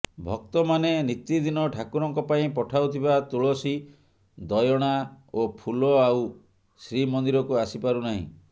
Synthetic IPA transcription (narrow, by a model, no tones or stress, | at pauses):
bʱɔk̚t̪ɔmanenit̪id̪inɔʈʰakuɾɔŋkɔpaĩpɔʈʰawt̪ʰibat̪uɭɔsi | d̪ɔjɔɽ̃a | opʰulɔaw | sɾimɔnd̪iɾɔkuasipaɾunaɦḭ̃